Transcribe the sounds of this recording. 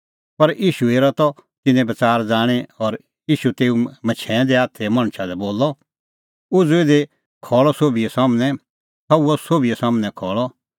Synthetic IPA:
pɐɾiːʃueːɾat̪ɔt̪ɪnɛ̃bɐt͡saːɾd͡zaːɽ̃eɔɾ | iːʃut̪eːũmɐt͡ʃʰɛ̃ːd̪eaːt̪ʰɛmɐ̃ɽ̃ʃad̪ɛboːlɔ | ʊd͡zued̪e | kʰɔːɭɔsoːbiɛsaːmnɛ̃ | sʰɐuɔsoːbiɛsaːmnɛ̃kʰɔːɭɔ

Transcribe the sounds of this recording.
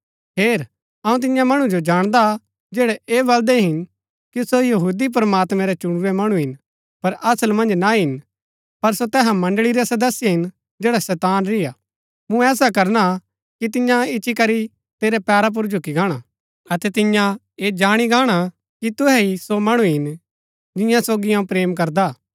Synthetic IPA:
ɦeːɾ | ɐːũt̪̬ɪjãmɐɽ̃ũd͡ʒod͡ʒaːɽ̃d̪a | d͡ʒeːɽɛʔeːbɐld̪ɛɦɪn | kisojɐɦuːd̪ip̬ɾəmaːt̪mɛɾɛt͡ʃʊɽ̃ɾɛmɐɽ̃ũɦɪn | pɐɾɐsəlmɐ̃nd͡ʒnaɦɪn | pɐɾsot̪ɛːɦãmɐ̃ɳɖɭiɾɛsɐd̪əsːɪjeɦɪn | d͡ʒd͡ʒeːɽasɛːt̪aːnɾɪjaː | mũɛːsakɐɾna | kit̪ɪ̃jãɪʃikɐɾi | t̪eːɾɛpɛːɾap̬ʊɾd͡ʒʱʊkiɡaːɽ̃a | ɐt̪ɛt̪ɪ̃jã | eːd͡ʒaːɽ̃iɡʱaːɽ̃a | kit̪ʊɦɛisomɐɽ̃uɦɪn | d͡ʒɪ̃jãsoːɡijãũpɾeːmk̬ɐɾd̪aː

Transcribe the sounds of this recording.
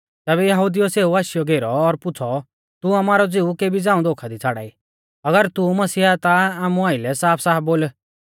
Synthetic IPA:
t̪ɛːβɛjɐɦud̪ijɔseːuaːʃɪjɔɡʱeːɾɔːɾpʊt͡sʰɔ | t̪uɐmaːɾɔd͡ziukeːbid͡zãːũd̪oːkʰad̪it͡sʰaːɽa̰ːi | ɐɡəɾt̪umɐsiːat̪aaːmũaːɪlɛsaːpʰsaːboːl

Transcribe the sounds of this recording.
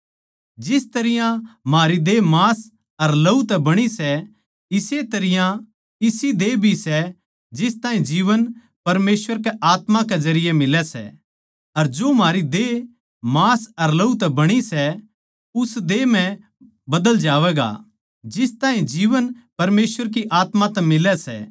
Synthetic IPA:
d͡ʒɪst̪ɐɾɪjãmaːɾid̪eːmaːs | ɐɾlɐut̪ɛbɐɽ̃isɛ | ɪset̪ɐɾɪjã | ɪsid̪eːbʱisɛ | d͡ʒɪst̪aːĩd͡ʒiːʋən | pɐɾmeːsʋəɾkeʔaːt̪mãkezɐɾɪjemɪlɛsɛ̰ | ɐɾd͡ʒoːmɦaːɾid̪e | maːsɐɾlɐut̪̬ɛbɐɽ̃isɛ | ʊsd̪eːmɛ̃ | bɐd̪əld͡ʒaːʋɛːɡa̰ | d͡ʒɪst̪ãːɦĩd͡ʒiːʋənpɐɾmeːsʋəɾk̬iʔaːt̪mãt̪ɛmɪlɛsɛ̰

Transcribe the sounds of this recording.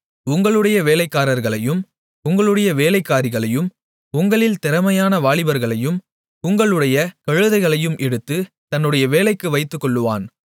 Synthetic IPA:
ʊŋɡɐɭɯɽɐjɐʋeːlɐɪkːaːɾɐɾɣɐɭɐjɯm | ʊŋɡɐɭɯɽɐjɐʋeːlɐɪkːaːɾɪɣɐɭɐjɯm | ʊŋɡɐɭɪlt̪ɛɾɐmɐjaːnɐʋaːɭɪbɐɾɣɐɭɐjɯm | ʊŋɡɐɭɯɽɐjɐkɐɻɯðɐɪɣɐɭɐjɯmʔɛɽɯt̪ːɯ | t̪ɐnːɯɽɐjɐʋeːlɐɪkːɯʋɐɪt̪ːɯkːɔɭːɯʋa̰ːn

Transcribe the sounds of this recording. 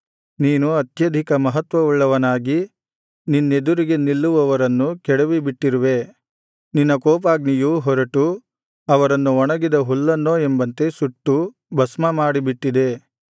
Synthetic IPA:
niːnuɐt̪jɐd̪ʱikɐmɐɦɐt̪ʋɐʋuɭːɐʋɐnaːɡi | ninːe̞d̪uɾiɡe̞nilːuʋɐʋɐɾɐnːukɛɽeʋibiʈːiɾuʋe̞ | ninːɐkɔːp̬aːɡnijuɦɔɾɐʈu | ɐʋɐɾɐnːuɔɳɐɡid̪ɐɦulːɐnːoːe̞mbɐnt̪e̞suʈːu | bɐsmɐmaːɽibiʈːid̪e̞

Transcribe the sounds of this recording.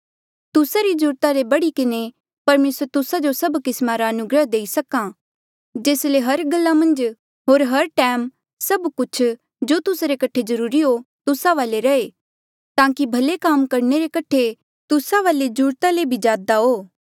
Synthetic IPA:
t̪ʊsaɾid͡ʒʊːɾt̪alebɐɽikɪne | pɐɾmeːsəɾt̪ʊsad͡ʒosɐbkɪsmaɾaɐnʊɡɾəɦd̪eːisɐkã | d͡ʒeːsleɦɐɾɡɐlːamɐ̃nd͡ʒ | ɦoːɾɦɐɾʈɛːm | sɐbkʊt͡ʃʰ | d͡ʒot̪ʊsɾekɐʈʰed͡ʒɐɾuːɾiɦot̪ʊsaʋaːleɾɐe | t̪ãːkibʱɐlekaːmkɐɾneɾekɐʈʰe | t̪ʊsaʋaːled͡ʒʊɾt̪alebʱid͡ʒaːd̪aɦoː

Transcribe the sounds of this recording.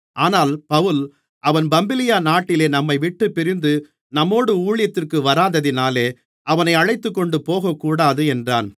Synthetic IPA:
ʔaːnaːlpɐʋɯl | ʔɐʋɐnbɐmbɪlɪjaːnaːʈːɪleːnɐmːɐɪʋɪʈːɯpːɪɾɪnd̪ɯ | nɐmːoːɽɯuːɻɪjɐt̪ːɪrkɯʋɐɾaːnðɐðɪnaːleː | ʔɐʋɐnɐɪɐɻɐɪt̪ːɯkːɔɳɖɯpoːɣɐkːuːɽaːðɯɛndra̰ːn

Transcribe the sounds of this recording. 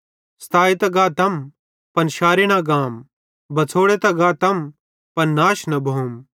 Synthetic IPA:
st̪aːet̪ɐɡaːt̪ɐm | pɐnʃaːɾiɽ̃aɡaːm | bʱɐt͡sʰoːɽet̪ɐɡaːt̪ɐm | pɐnnaːʃnɐbʱoːm

